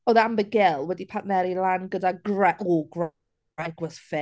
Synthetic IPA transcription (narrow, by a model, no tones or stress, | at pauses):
oðambəɡɪlˠwəd̪ipʰaʔnɛɾilanɡədaɡɹɛʔɔːɡɹ | ɛɡwəz̥fɛ